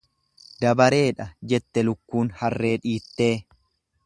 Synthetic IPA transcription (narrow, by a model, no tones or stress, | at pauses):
d̪ɐbɐɾe̞ːᶑɐd͡ʒɛt̪ːɛlʊkːuːnhɐrːe̞ːᶑiːt̪ːe̞ː